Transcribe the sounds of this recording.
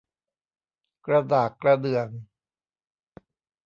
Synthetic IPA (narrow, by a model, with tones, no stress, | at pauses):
kɾa˧daː˨˩kːɾa˧dɯ˨˩əŋ